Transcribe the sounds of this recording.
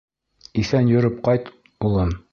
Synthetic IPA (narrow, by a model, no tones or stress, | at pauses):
iθænjɵ̆ɾɵp̚qɒjt̪ | ulˠɤm